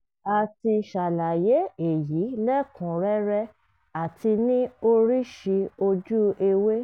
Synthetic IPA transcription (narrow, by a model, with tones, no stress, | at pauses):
a˨ti˧ʃa˨la˨je˨˦e˨ji˨˦lɛ˦kũ˨˦ɾɛ˦ɾɛ˧ | a˨tʰi˧nĩ˦o˧ɾi˦ʃi˧o˧d͡ʒu˦e˧we˦